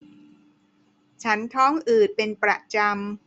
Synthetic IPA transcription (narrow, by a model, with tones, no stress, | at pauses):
t͡ɕʰa˦˥nt̪ʰɔː˦˥ŋʔɯː˨˩t̪̚pe˧npɾa̰˧ʔt͡ɕa˧m